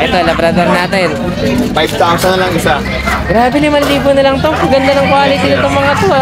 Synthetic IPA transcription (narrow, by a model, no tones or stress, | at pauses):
ʔɛt̪o̞lɐbɾɐd̪oɾnaːt̪ɛn | fajb̚t̪awsɐnːɐlɐŋɪsa | ɡɾaːbɛnɪmɐnliːbonɐlɐŋt̪omɐɡɐnd̪ɐnɐŋkwaːlɪt̪ɪnɐt̪oŋmɐŋat̪o